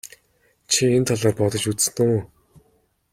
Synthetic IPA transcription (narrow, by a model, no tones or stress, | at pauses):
t͡ɕʰient̪ʰɔɮɔːrpɔt̪ɞ̆t͡ɕut͡ssnu